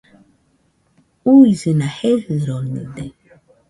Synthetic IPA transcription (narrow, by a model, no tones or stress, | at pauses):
uizɨnahehɨɾonḭd̪e